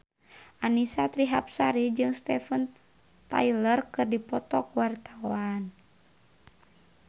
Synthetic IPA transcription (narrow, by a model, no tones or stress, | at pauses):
ʔanisat̪ɾiɦap̚saɾid͡ʒɨŋst̪ɛfən | t̪a̰jlərkɨrdipɔt̪ɔkuwart̪awan